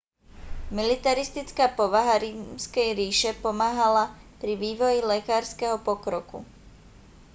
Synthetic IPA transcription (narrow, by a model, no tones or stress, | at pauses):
milit̪aɾist̪it͡skaːpɔʋaɦaɾimskɛjɾiːʃɛpɔmaːɦala | pɾiʋiːʋɔjilɛkaːɾskɛɦɔpɔkɾɔkṵ